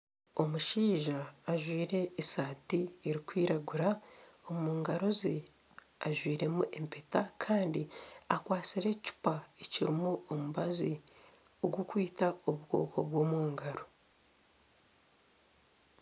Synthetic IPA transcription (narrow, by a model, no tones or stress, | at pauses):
o̞muʃiːʒaːʒwiːɾe̞ːsaːtieɾikwiːɾaɡuɾa | o̞muːŋɡaɾozi | aʒwiːɾe̞muʔe̞mpe̞takʰaːndiakwaːt͡siɾe̞ci̥paeciɾimuomuβazi | oɡwukwiːtao̞βuɡo̰ːkʰo̞̰βwo̞ːmuːŋɡaɾo